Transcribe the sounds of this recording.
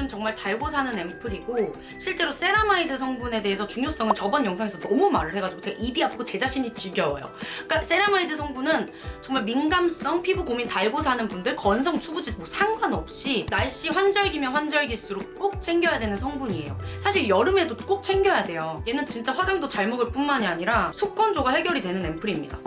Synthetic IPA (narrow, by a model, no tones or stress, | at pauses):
omt͡ɕʌŋmaɭtaɭɡosʰanɯne̞mpʰɯɾiɡo | ɕʰiɭt͡ɕ͈e̞ɾos͈e̞ɾamaidɯsʰʌŋbune̞de̞ɦesʰʌt͡ɕuŋjos͈ʌŋɯnt͡ɕʌbʌnjʌŋsʰaŋesʰʌnʌmumaɾɯɭhe̞ɡad͡ʑuɡotʰeɡaʔibiap̚k͈ot͡ɕe̞d͡ʑaɕʰiɲit͡ɕiɡjʌw̰jo̰k͈as͈e̞ɾamaidɯsʰʌŋbunɯn | t͡ɕʌŋmaɭminɡams͈ʌŋpʰibuɡomintaɭɡosʰanɯnbundɯɭkʌns̬ʰʌŋt͡ɕʰubud͡ʑimosʰaŋɡwanʌp̚ɕ͈inaɭɕ͈iɸwand͡ʑʌɭɡimjʌnɸwand͡ʑʌɭɡiɭs͈ɯɾok͈ok̚t͡ɕʰe̞ŋɡjʌjadwe̞nɯnsʰʌŋbuɲie̞̰josʰaɕ̬ʰiɭjʌɾɯme̞dok͈ok̚t͡ɕʰe̞ŋɡjʌjadwe̞joje̞nɯnt͡ɕint͡ɕ͈aɸwad͡ʑaŋdot͡ɕaɭmoɡɯɭp͈unmaɲiaɲiɾasʰok͈ʌnd͡ʑoɡahe̞ɡʲjʌɾidwe̞nɯne̞mpʰɯɾimɲida̰